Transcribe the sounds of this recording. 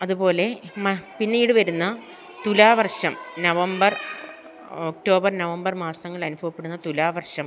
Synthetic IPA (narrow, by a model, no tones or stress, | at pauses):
ɐðubo̞ːle̞mpinːiːɽɨʋɐɾunːɐ | t̪ulaːʋɐrʂɐmnɐʋɐmbɐr | ok̚ʈo̞ːbɐrnɐʋɐmbɐrmaːsɐŋːɐɭɐnubʱɐʋɐpːe̞ɽunːɐt̪ulaːʋɐrʂɐm